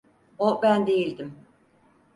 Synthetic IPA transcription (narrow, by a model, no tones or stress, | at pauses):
obænd̪e̞jilʲd̪im